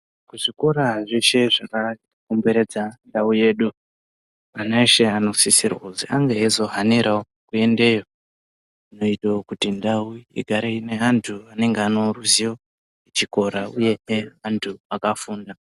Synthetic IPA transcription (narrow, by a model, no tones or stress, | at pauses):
kuʐiko̞ɾaʐeʃe̞ʐaka | kumbe̞ɾe̞d͡zandauje̞ːɗu | anaeʃe̞ano̞sisirwoziʔaŋɡeɦezo̞ɦaniɾʔao | kue̞nde̞jo̞ | ino̞itaokutindauḭɡʱaɾeine̞antʰuane̞ŋɡeano̞ruzijo̞ | et͡ʃiko̞ɾauje̞eantʰuakafuːnda